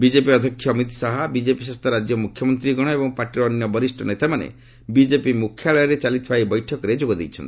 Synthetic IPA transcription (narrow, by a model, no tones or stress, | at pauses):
bid͡ʒepiɔd̪ʱɔkʰːjɔːmit̪saɦabid͡ʒepiʃast̪ʰɔɾad͡ʒjɔmukʰːjɔmɔnt̪ɾiɡɔɽ̃ɔebɔŋpaʈiɾɔːnjɔbɔɾisʈʰɔnet̪amanḛ | bid͡ʒepimukʰjaɭɔjɔɾet͡ʃalit̪ʰibajbɔjʈʰɔkɔɾed͡ʒoɡɔd̪ejt͡ʃʰɔ̰nt̪i